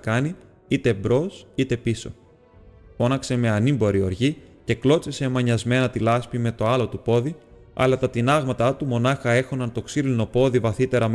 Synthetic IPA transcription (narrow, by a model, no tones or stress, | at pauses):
kɐni | it̪e̞bɾo̞sit̪e̞piso̞̰ | fo̞nɐkse̞me̞ɐnimbo̞ɾio̞ɾʝice̞klo̞t͡sese̞mɐɲɐzme̞nɐt̪ilɐspime̞t̪o̞ɐlo̞t̪upo̞ði | ɐ̰lɐt̪ɐt̪inɐɣmɐt̪ɐt̪umo̞nɐxɐe̞xonɐnt̪o̞ksilino̞po̞ðivɐθit̪e̞ɾɐm